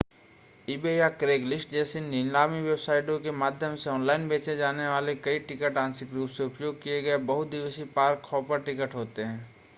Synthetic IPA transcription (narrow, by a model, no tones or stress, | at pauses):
ibejakɾeːklɪsʈd͡ʒɛːseninlaːmiʋebsaːɪʈõkemaːd̪ʱjəmseɔːnlaːɪnbeːt͡ʃed͡ʒaːneʋaːlekɐiʈɪkəʈãːnsɪkɾuːpseʊpjoːɡ̚kijeɡɐebɐɦʊt̪̚d̪ɪʋəsipaːɾkʰːɔːpəɾʈɪkəʈɦoːt̪eɦɛ̃ː